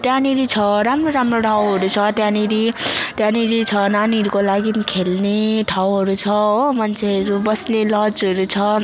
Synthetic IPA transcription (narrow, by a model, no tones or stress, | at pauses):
t̪janiɾit͡sʰʌɾamroɾamroʈʰawɦʌɾut͡sʰʌt̪janiɾit̪janiɾit͡sʰʌnaniɦʌɾukolaɡinkʰelneʈʰawɦʌɾut͡sʰʌomʌnt͡sʰeɦʌɾubʌslelʌd͡zɦʌɾut͡sʰʌ